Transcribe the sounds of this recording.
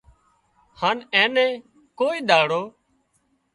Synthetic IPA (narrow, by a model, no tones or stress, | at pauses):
haːnɛ̃ːnɛ̃ː | koːiːɗ̪aːɽoː